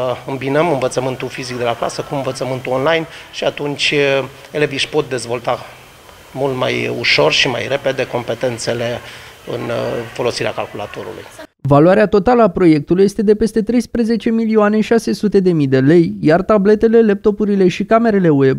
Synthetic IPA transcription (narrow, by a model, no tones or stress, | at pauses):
ɨmbinəmɨnvət̪səmɨnt̪ufizik̚d̪e̞lakla̰səkuɨnvət̪səmɨnt̪uonlajnʃiat̪unt͡ʃʲ | eleviʃpo̞t̪̚d̪e̞zvo̞lt̪a | mult̪ma̰jṵʃo̞rʃima̰jre̞pe̞d̪e̞ko̞mpe̞t̪e̞nt̪se̞le̞ | ɨ̰nfo̞lo̞siɾea̰kalkula̰t̪o̞ɾṵlṵjvaluaɾeat̪o̞t̪aləapɾo̞je̞k̚t̪uluje̞st̪e̞d̪e̞pe̞st̪e̞t̪ɾe̞jspɾəze̞t͡ʃe̞milioaneʃase̞sut̪e̞d̪e̞mid̪e̞le̞jjart̪able̞t̪e̞le̞lep̚t̪o̞puɾile̞ʃikame̞ɾe̞le̞we̞b